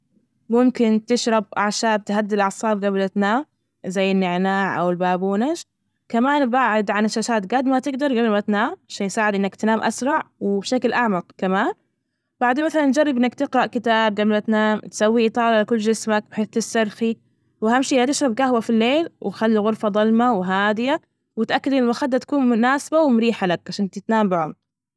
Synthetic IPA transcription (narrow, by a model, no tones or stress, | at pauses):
mʊmkɪnt̪ɪʃɾˤɑbʔaʕʃaːb̚t̪had̪ːɪlʕɑsˤːɑːb̚ɡablat̪naːm | zajːɪnːɪʕnaːʕʔa̰wɪlbaːbuːnaʃ | kamaːnbaːʕɪd̪ʕanɪʃːaːʃaːt̪ɡad̪mat̪ɪɡd̪ɑɾˤɡablmat̪naːmaʃaːnjsaːʕɪd̪ʔɪnːakt̪naːmʔasɾˤɑʕwɪbʃaklʔaʕmɑqkamaːn | b̥aʕd̪eːmaθalanːd͡ʒarˤːɪbʔɪnːakt̪ɪqɾɑʔkɪt̪aːb̚ɡablmat̪naːmt̪sawːiʔɨt̪ˤɑːlalakʊlːd͡ʒɪsmak̚bħeːθt̪ɪsːɑɾˤxi | wɪhamʃiːat̪ɪʃɾˤɑbɡahwafilːeːlwɪxalːiɣʊɾˤfɑðˤɑlmawɦaːd̪ɪja | wɪt̪ʔakːad̪ʔɪnmaxad̪ːat̪ḁkuːnmʊnaːsabawɪmʊɾiːħalak̚ʕaʃaːnt̪ɪt̪naːmbɪʕʊ̰mɾ